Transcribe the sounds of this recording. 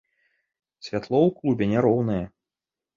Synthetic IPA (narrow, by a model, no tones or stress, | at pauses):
sʲvʲat̪lˠɔwklˠubʲɛnʲaɾɔwnɨjɐ